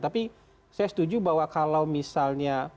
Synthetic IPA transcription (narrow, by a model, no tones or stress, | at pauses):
t̪api | sajasə̥t̪ud͡ʒubawakalawmisalɲa